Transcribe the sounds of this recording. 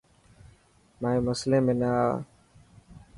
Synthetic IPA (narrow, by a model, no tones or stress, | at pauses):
maːẽːməslẽːmẽːnaː